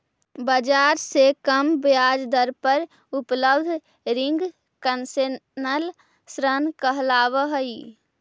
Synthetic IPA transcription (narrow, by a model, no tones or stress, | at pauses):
bəd͡ʒaɾsekəmbjad͡ʒd̪əɾpəɾ | upləbd̪ʱ | ɾiŋɡ | kənsenəl | sɾənkəɦlaːʋəɦəi